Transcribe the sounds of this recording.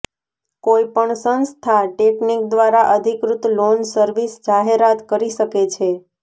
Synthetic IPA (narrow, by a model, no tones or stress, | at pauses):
koipəɳsənst̪ʰaʈeknik̚d̪ʋaɾaʔəd̪ʱikɾut̪lonsəɾʋisd͡ʒaɦeɾat̪kəɾiʃəket͡ʃʰe